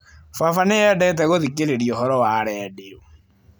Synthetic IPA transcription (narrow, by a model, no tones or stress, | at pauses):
fafaneɛdɛt̬ɛɣoðikeɾeɾiɔɦɔɾɔwaːɾɛdeo